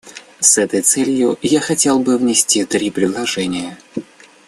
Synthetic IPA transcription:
sɛt̪əjt̪sɛlʲjʊjaxɐtʲelˠbɨvnʲɪsʲtʲit̪ɾʲipɾʲɪd̪lˠɐʐɛnʲɪjə

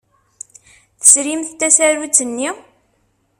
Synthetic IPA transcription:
θə̥sɾimθt̪ːæsæɾut͡sːənːi

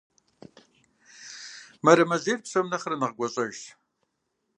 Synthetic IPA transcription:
mɐɾɐmɐzeːrpsɐmnɐχrɐnɨʁɡʷɔɕʼɐʒt

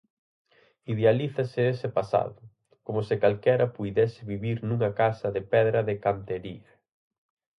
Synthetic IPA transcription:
iðealiθɐsɪesɪpasa̰ðʊ | komʊsɪkalkɛɾɐpujðɛsɪβiβiɾnũŋɐkasɐðɪpɛðɾɐðɪkant̪eɾiɐ

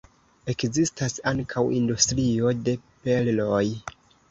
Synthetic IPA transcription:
e̞kzistasaŋkʰawḭndustɾio̞de̞pe̞lloj

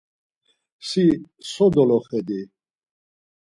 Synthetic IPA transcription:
si | sɔd̪ɔlɔχɛd̪i

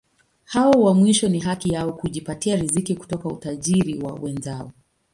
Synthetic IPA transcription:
hawɔwamwiʃɔniɦakijaɔkuʄipatiaɾizikiku̥tɔkaṵtaʄiɾiwa̰wɛnzaɔ

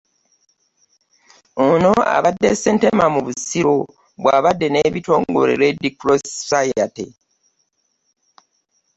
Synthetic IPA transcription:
ono̞a̰βadːe̞sentemamuβusiɾo | βwaːβadːe̞ne̞ːβito̞ːŋɡo̞̰ɾḛɾedikɾossajatḛ

